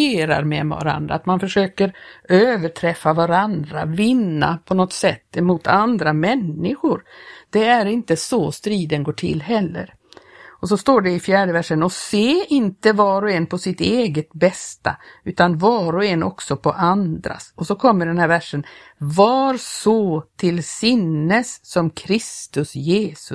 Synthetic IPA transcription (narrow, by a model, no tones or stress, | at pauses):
eːɾa̰ɾmɛ̰mɛva̰ɾa̰nd̪ɾa̰ːt̪manfœʂøːkəɾøːvəʈʰɾɛfːavaɾand̪ɾavɪnːa̰pʰɔnɔt̪sɛt̪ːɛmuːt̪ʰand̪ɾamɛnːɪɧʊɾd̪̥ɛæɾɪnt̪əsɔst̪ɾiːd̪ənɡoːʈʰɪ̰lːɦɛlːə̰ɾ | ɔsɔst̪oːɖɛɪfjæːɖəvæʂːənɔseːɪnt̪əvɑːɾɔɛnpʰɔsɪt̪eːɡət̪bɛst̪a̰ʉ̟ːt̪anvɑːɾɔɛnːʔɔ̰ksɔpʰɔʔand̪ɾa̰sɔsɔkʰɔmːəɖɛnhæːɾvæʂənvaɾsɔt̪ʰɪlsɪnːəsːɔmkʰɾɪst̪ɵsjeːsɵ